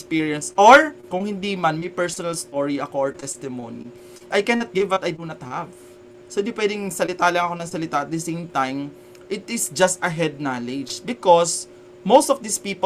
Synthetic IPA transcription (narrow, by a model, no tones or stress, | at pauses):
spiɹjɐnsʔoɹkʊŋhɪ̃nd̪iːmɐnmɐjpɛɹsonɐlst̪oɹiɐkooɹt̪ɛst̪ɪmonḭ | ʔajkɛnɐt̪̚ɡɪvɐt̪ɐjd̪unɐt̪hav | sodɪpwɛd̪ɪŋsɐlɪt̪alɐŋɐkonɐŋsɐlɪt̪aɐt̪̚d̪ɛsẽjmt̪ãjm | ʔɪt̪ɪsd͡ʒɐst̪ɐɦɛd̪̚nalɛd͡ʒbɪkos | mowst̪ɔfd̪ispiːp